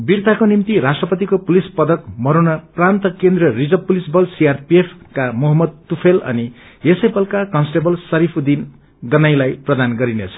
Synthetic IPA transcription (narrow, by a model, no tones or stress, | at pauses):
birt̪akonimt̪iɾasʈrʌpʌt̪ikopulispʌd̪ʌkmʌɾonʌprant̪ʌkend̪rʌrid͡zʌb̚pːulisbʌlsiarpiepʰkamʌɦʌmːʌd̪̚t̪upʰelʌ̰ni | esepʌlkakʌnsʈebʌlsʌɾipʰud̪in | ɡʌnajlajprʌd̪anɡʌɾinet͡sʰʌ̥